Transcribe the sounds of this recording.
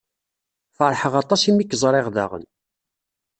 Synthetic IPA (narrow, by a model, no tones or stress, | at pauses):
fəɾˤħəʁɑt̪ˤɑsimikːəzˤɾˤeʁða̰ʁə̰n